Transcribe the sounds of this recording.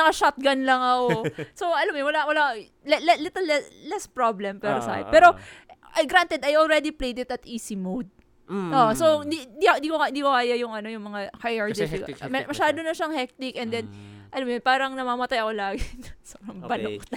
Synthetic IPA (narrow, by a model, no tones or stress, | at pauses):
nɐkɐʃat̪̚ɡɐnlɐŋɐkosoʔɐlamojnwɐlawɐla | lɛlɛlɪt̪ɛlɛlɛspɹablɛmpɛɾosa̰pɛːɾo̞ʔɐɡɾant̪ɛd̪ɐjolɹɛd̪iplejd̪ɪt̪ɐt̪ʔiːsimowd̪̚ | ʔoʔsowɪnd̪ind̪iɪ̃nd̪ikoɪnd̪iːkokaːjɐjʊŋɐno̞jʊŋmɐŋahajɐɹd͡ʒ̪ɪfɪɛmɐʃaːd̪onɐʃaŋhɛk̚t̪ɪkʔɛnd̪ɛnʔɐlamojonpaːɾɐŋnɐmaːmɐt̪ajɐko̞laːɡɪsɐɐbɐnok̚t̪